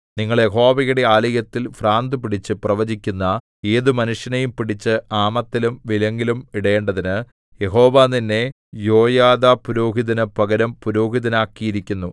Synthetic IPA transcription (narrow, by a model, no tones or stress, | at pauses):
niŋːɐɭjeɦo̞ːbɐɣɐɽeaːlɐjɐt̪ːilfraːnd̪ɨpiɽit͡ɕːɨprɐʋɐd͡ʑikʲːunːɐ | e̞ːðumɐnuʂjɐnɐjumpiɽit͡ɕːɨaːmɐt̪ːilumʋilɐŋɡilumiɽɐjeːɳɖɐðinɨ | je̞ɦo̞ːʋaːninːe̞ | jo̞ːjaːðapuɾo̞ːɦiðɐnɨpɐɡɐɾɐmpuɾoːɦiðɐnaːkːijiɾikʲːunːu